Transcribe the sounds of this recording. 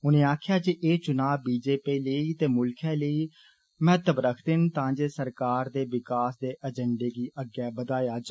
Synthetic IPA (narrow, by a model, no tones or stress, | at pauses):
ʊnẽːaːkʰjaːd͡ʒiʔeːt͡ʃʊnaːbiːd͡ʒeːpiːləiːt̪eːmʊlkʰɛ̃ːləiː | mɛːt̪əbɾəkʰd̪ɪnt̪ãːd͡ʒeːsəɾkaːɾd̪eːʋɪkaːsd̪eːʔəd͡ʒəɳɖeːɡiːʔəɡjɛːbəd̪aːjaːd͡ʒ